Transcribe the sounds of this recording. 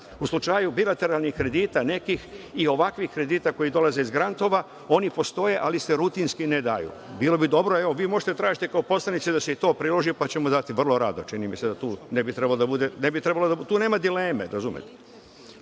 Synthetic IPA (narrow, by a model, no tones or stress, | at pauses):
uslut͡ʃajubilat̪e̞ɾalˠnixkɾe̞d̪iːt̪ane̞kixio̞ʋakʋihkɾe̞d̪iːt̪ako̞jid̪o̞laze̞izɡɾant̪o̞ʋa | o̞nipo̞st̪o̞je̞ʔalise̞ɾut̪inskined̪ajṵbiːlo̞bid̪o̞bɾoeʋo̞ʋiːmo̞ʒet̪et̪ɾaːʒit̪ekaopo̞slanit̪sed̪aseit̪o̞ːpɾilˠo̞ʒipat͡ɕe̞mod̪at̪iʋr̩lˠo̞ɾad̪ot͡ʃinimise̞d̪at̪uːnebit̪ɾe̞balod̪abud̪enebit̪ɾe̞balod̪at̪uːneːmad̪ileːmḛɾazumḛt̪e̥